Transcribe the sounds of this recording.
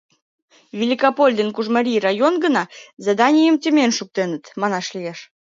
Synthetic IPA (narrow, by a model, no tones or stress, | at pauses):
vʲilʲikopolʲd̪enkuʒməɾʲijrɑjonɡənɑzed̪ɑnʲijəmt̪ʲəmʲenʃuk̚t̪enət̪mɑnɑʃlijeʃ